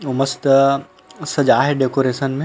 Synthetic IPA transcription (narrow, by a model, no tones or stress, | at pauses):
ʊməst̪ | sɐd͡ʒaːɦeɖeːkoːɾeːsənmẽ